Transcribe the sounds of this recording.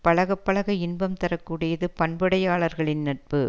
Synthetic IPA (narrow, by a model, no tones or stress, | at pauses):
pɐɭɐɣɐpːɐɭɐɣɐɪnbɐmt̪ɐɾɐkːuːɽɪjɐðɯpɐɳbɐɽɐjaːɭɐɾɣɐɭɪnːɐʈ̚pɯ